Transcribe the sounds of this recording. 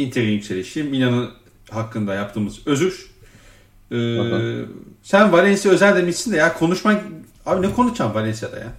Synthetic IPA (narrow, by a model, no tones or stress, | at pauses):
int̪ʰeɾinjycʲse̞lʲeʃiimːinanɯn | ɦakːɯnd̪ajap̚t̪ʰɯːmɯzø̞zyɾ | ɯː | sænvalʲɛnsijaø̞zælʲd̪emisind̪ɛjakʰo̞nuʃma | aːbinɛkʰo̞nut͡ʃʰamvalʲɛnsijad̪a̰ja̰